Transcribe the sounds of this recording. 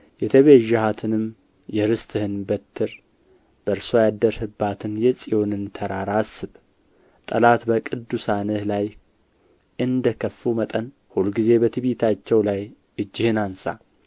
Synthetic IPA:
jɛt̪ʰəβeʒːahat̪ʰɨnɨm | jɛɾɨst̪ʰʼɨhɨnbət̪ʰːɨɾ | b̥əɾsojad̪ːəɾhɨbːat̪ʰɨnjɛsʼijo̞nɨnt̪ʰəɾaɾasɨβ | t̪ʼəlat̪bəkʼɨd̪ːusanɨhlaj | ʔɨnd̪əkʰəfːumət̪ʼən | hulɡize̞bət̪ʰɨβit̪ʰat͡ʃːɛwlaj | ɨd͡ʒːɪhɨnansa̰

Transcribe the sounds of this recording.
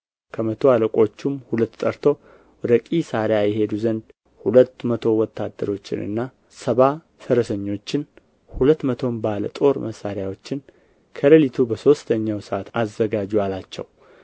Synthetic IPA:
kʰəmət̪ʰo̞aləkʷʼo̞t͡ʃːumhulət̪ːt̪ʼːəɾt̪ʰo̞ | ɔɾəkʼisaɾjajɛɦe̞d̪uzənd̪ | hulət̪ːmət̪ʰo̞wɔt̪ːad̪ːəɾo̞t͡ʃːɪ̰nɨ̰nːa | səβa | səɾəsəɲːo̞t͡ʃːɪn | hulət̪ːmət̪ʰo̞mbalə̰t̪ʼo̞ɾməsːaɾɪjawo̞t͡ʃːɪn | kʰəɾəlit̪ʰubəso̞st̪ʰəɲːawsəʔat̪ʰazːəɡad͡ʒualat͡ʃːɛ̰w

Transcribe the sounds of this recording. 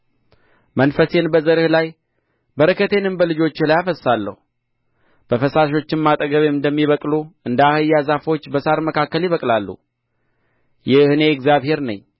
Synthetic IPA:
mənfəse̞nbəzəɾɨhlaj | bəɾəkʰːət̪ʰenɨmbəlɨd͡ʒo̞t͡ʃːlajafəsːalːə̰hu | b̥əfəsaʃ̬o̞t͡ʃːɪnmat̪ʼəɡəβeɨnd̪əmːiβəkʼluɨnd̪əahɨjːazafo̞t͡ʃːbəsaɾməkʰakːəljɪβəkʼlalːṵ | jɪhne̞ɛɡzjaβhe̞ɾnə̰ɲː

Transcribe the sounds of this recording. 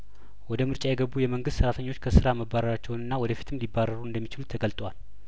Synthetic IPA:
wɔd̪əmɨɾt͡ʃʼajɛɡəbːujɛməŋɡɨst̪səɾat̪ʰəɲːo̞t͡ʃːkʰəsɨɾaməbːaɾəɾat͡ʃːɛwnɨnːawɔd̪əfi̥t̪ʰɨmlibːaɾəɾuɨnd̪əmːit͡ʃɪlut̪ʰːəɡəlt̪ʼwal

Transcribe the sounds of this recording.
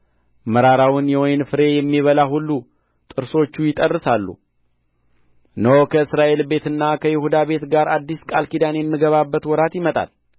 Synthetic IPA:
məɾaɾawʊnjɛwɔjnfɨɾe̞jɛmːiβəlaɦulːu | t̪ʼɨɾso̞t͡ʃːujɪt̪ʼərːɨsalːṵ | nəwokʰəɨsɾaʔe̞lbe̞t̪ɨnːakʰəjɪhud̪aβe̞t̪ɡaɾad̪ːiskʼalkid̪anjɛmːɨɡəβabːət̪wɔɾat̪jɪmət̪ʼa̰l

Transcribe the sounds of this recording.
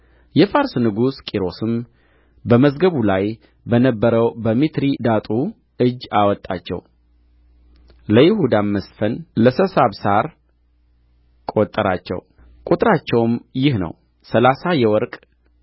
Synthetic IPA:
jɛfaɾsnɨɡuskʼiɾo̞sɨm | bəməzɡəβulaj | bənəbːəɾəwbəmit̪ɾid̪at̪ʼu | ɨd͡ʒːawɔt̪ʼːa̰t͡ʃːɛ̰w | ləjɪhud̪amːəsfənləsəsaβsaɾ | kʼot̪ʼːəɾa̰t͡ʃːɛ̰w | kʼut̪ʼɾat͡ʃːɛwmjɪhnə̰w | səlasajɛwɔɾkʼ

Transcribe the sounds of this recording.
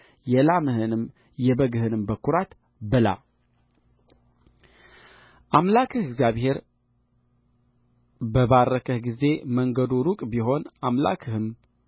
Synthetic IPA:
jɛlamɨhɨnɨm | jɛbəɡɨhɨnɨmbəkːuɾat̪ | bɨla̰ | ʔamlakʰɨhɨɡzjaβhe̞ɾ | bəbarːəkʰəhɡize̞məŋɡəd̪uɾukʼbiɦo̞namla̰kʰɨhɨm

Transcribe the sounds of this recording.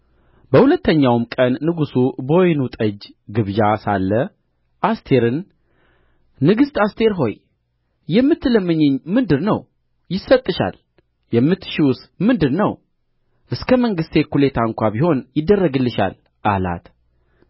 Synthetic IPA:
bəhulət̪ːəɲːawmkʼənːɨɡusubo̞jnut̪ʼəd͡ʒɡɨβd͡ʒasalːə | ʔast̪ʰe̞ɾɨn | ɨɡɨst̪ast̪ʰe̞ɾɦo̞̰j | jɛmːɨt̪ːɨləmːɨɲːɪɲmɨnd̪ɨɾnəw | jɪsət̪ʼːɨʃa̰l | jɛmːɨt̪ːʃiwsmɨnd̪ɨɾnəw | ʔɨskʰəməŋɡɨst̪ekule̞t̪ʰaŋkʷʰabiho̞njɪd̪ːərːəɡɨlːɨʃa̰l | ʔala̰t̪

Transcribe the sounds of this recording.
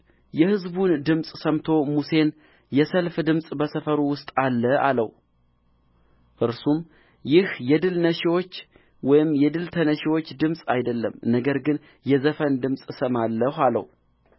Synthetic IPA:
jɛhɨzbund̪ɨmsʼsəmt̪ʰo̞muse̞n | jɛsəlfd̪ɨmsʼbəsəfəɾuwʊst̪ʼalːəa̰lə̰h | ʔɨɾsum | jɪhjɛd̪ɨlnəʃiwo̞t͡ʃː | wɔjɪmjɛd̪ɨlt̪ʰənəʃwo̞t͡ʃːd̪ɨmsʼajd̪əlːə̰mnəɡəɾɡɨn | jɛzəfənd̪ɨmsʼsəmalːəhalə̰w

